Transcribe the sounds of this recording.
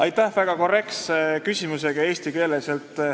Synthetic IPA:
ɑjt̪ːˑæhvæɡ̥ɑko̞re̞ksekysʲimuse̞ɡ̥ɑe̞ːsʲt̪ike̞ːleselt̪ˑ

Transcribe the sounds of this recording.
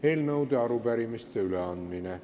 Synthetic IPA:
elnɤwd̪eɑɾupæɾimist̪eyleɑnd̪mine

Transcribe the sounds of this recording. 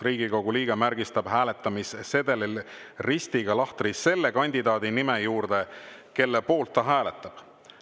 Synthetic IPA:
riːɡ̥iko̞ɡ̥uliːɡ̥ɑmæɾɡ̥ist̪ɑb̥ɦæːlet̪ːˑɑmisse̞d̪̥e̞lil | rist̪iɡ̥ɑlɑht̪risːe̞lːekɑnʲd̪id̪ɑːd̪̥inimejuːɾd̪̥e̞ke̞lːepo̞ːlt̪ːɑɦæːlet̪ːˑɑb̥

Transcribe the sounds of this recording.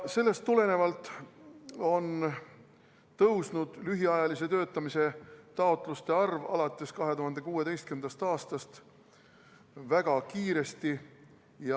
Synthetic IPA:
se̞lːe̞st̪ːule̞ne̞vɑlt̪ːˑ | o̞n | t̪ɤwsnud̪̥lyɦiɑjɑlise̞t̪ø̞ːt̪ːˑɑmise̞t̪ɑo̞t̪ˑlust̪e̞ɑrvɑ̰lɑt̪ːˑe̞skɑɦe̞t̪uɦɑnd̪̥e̞kuːe̞e̞jst̪̚kynd̪̥ɑst̪ɑːst̪ɑst̪ | væɡ̥ɑkiːɾe̞st̪i | jɑ

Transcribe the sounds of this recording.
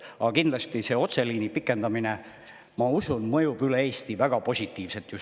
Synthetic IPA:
ɑɑkind̪lɑst̪ise̞o̞t̪se̞liːnipikˑːe̞nd̪ɑmine | mɑusunmɤjub̥yle̞eːst̪ivæɡ̥ɑpo̞sʲit̪ˑːiːvse̞t̪jus

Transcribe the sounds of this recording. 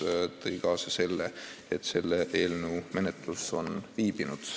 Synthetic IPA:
t̪ɤjkɑːsɑse̞lːeet̪ːse̞lːeʔe̞ːlneume̞net̪luso̞nviːbinud̪̥

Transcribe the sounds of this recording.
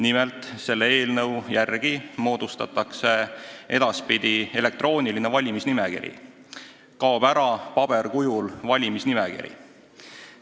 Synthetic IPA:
nimelt̪ˑse̞lːee̞ːlnɤwjærɡ̥imo̞ːd̪̥ust̪ɑ̰t̪ːˑɑkse̞ʔe̞d̪̥ɑspid̪̥ie̞le̞k̚t̪ro̞ːnʲiline̞vɑlʲimisnimekḭɾḭ | kɑob̥æɾɑpɑb̥e̞rkujulvɑlʲimisnimekḭɾḭ

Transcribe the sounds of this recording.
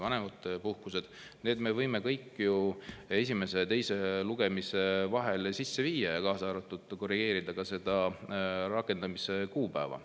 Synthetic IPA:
vɑne̞mɑt̪ːˑpuhkuse̞d̪̥ | ne̞ːd̪me̞vɤjme̞kɤjkːˑjue̞s̬ʲime̞se̞t̪e̞jse̞luɡ̥e̞mise̞vɑɦelsisːe̞viːjːɑjɑkɑːsɑːɾɑt̪ːˑud̪̥ko̞riɡ̥e̞ːɾid̪̥ɑkɑse̞d̪̥ɑ | ɾɑkːˑe̞nd̪̥ɑmisekuːpæːvɑ̰

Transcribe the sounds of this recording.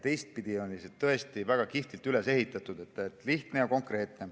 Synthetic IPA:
t̪e̞jst̪̚pid̪̥io̞nʲːiset̪t̪ːɤ̞est̪ivæɡ̥ɑkift̪ilt̪yle̞se̞ɦit̪ːˑɑt̪ːˑud̪̥e̞t̪ːˑet̪ːliht̪ne̞jɑko̞ŋkɾe̞ːt̪ne̞

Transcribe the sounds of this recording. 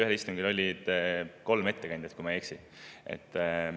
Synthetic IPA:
yhelist̪uŋɡilo̞lʲːid̪̥ko̞lme̞t̪ːe̞kɑnd̪ʲjɑt̪kumɑjeksin | ḛt̪ːˑ

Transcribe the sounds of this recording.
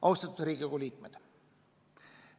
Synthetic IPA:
ʔɑwst̪ɑt̪ːˑud̪ɾiːɡiɡoliːk̚med̪̥

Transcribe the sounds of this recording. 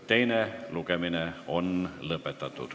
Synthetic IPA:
t̪e̞jneluɡemineo̞nlɤpːˑet̪ːˑɑt̪ːˑṵd̪̥

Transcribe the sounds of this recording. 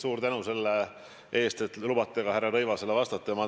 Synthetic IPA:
suːɾt̪ænuse̞lːe | ʔe̞ːst̪e̞t̪lubɑt̪ːˑeɡɑhærːeɾɤjvɑse̞lːvɑst̪ɑt̪ːˑemɑ

